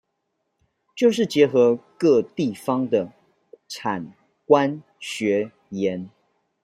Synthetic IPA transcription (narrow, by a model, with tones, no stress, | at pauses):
t͡ɕjo˥˧ʊʂ̬ɻ̩˥˩t͡ɕjɛ˧˥xɤ˧˦kɤ˥˧t̪i˥˩fɑ˦ŋd̪ə˨ | ʈ͡ʂʰa˨˩n | kwa˦n | ɕɥɛ˧˥ | jɛ˨˦n